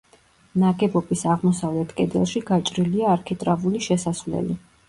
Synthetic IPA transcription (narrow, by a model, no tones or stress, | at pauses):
naɡɛbɔbisaʁmɔsavlɛt̪ʰkʼɛd̪ɛ̰lˠʃiɡat͡ʃʼɾiliaːɾkʰɛt̪ʼɾavuliʃɛsasvlɛ̰li